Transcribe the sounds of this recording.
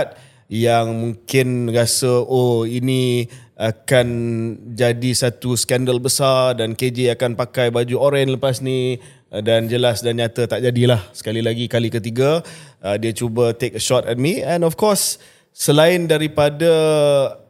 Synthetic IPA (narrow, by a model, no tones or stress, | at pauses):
t̪̚ | jaŋmuŋkɪnrasəoiniakand͡ʒadisat̪usə̥kɛndəlbəsardanked͡ʒeakanpakajbad͡ʒuoɾɛnləpasni | dand͡ʒəlasdanɲãt̪ət̪aʔd͡ʒadilahsə̥kalilaɡikalikət̪iɡaədiat͡ʃubət̪ek̚əʃɔt̪ɛt̪̚miɛ̃nɔfkɔsː | əlaɪndaɾipada